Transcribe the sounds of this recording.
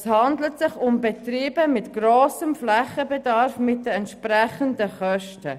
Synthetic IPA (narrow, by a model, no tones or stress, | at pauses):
shɑndlətsɪχʊmbɛtriːbəmɪtɡ̥roːsəmflɛχəbɛdɑɾfmɪt̚dəɛntʃprɛχəndəχœʃtə